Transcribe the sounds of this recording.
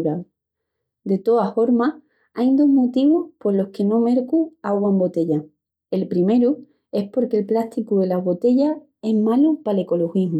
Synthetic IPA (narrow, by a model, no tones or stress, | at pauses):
ɾa | d̪e̞t̪o̞afo̞ɾma | ajnd̪o̞ɦmot̪iβohpo̞ɾlo̞hke̞no̞me̞ɾkuaɣwaembo̞t̪e̞ʎa | e̞lpɾime̞ɾu | e̞spo̞ɾke̞lplaht̪ikuðe̞laβo̞t̪e̞ʝa | e̞zmalupale̞ko̞lo̞xiɦm